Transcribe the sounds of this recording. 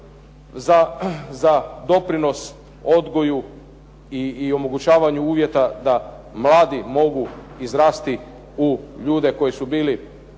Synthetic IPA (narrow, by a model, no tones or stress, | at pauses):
zazad̪o̞pɾino̞s | o̞d̪ɡo̞ju | iːo̞mo̞ɡut͡ɕaːʋaɲuuːʋje̞t̪ad̪a | mlˠaːd̪imo̞ɡu | izɾaːst̪i | uʎuːd̪e̞ko̞jisubiːli